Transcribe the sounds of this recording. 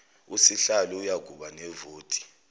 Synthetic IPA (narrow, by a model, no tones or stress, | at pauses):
usiɬalɔujaɡ̥ʱuɓanɛvoːtʼi̥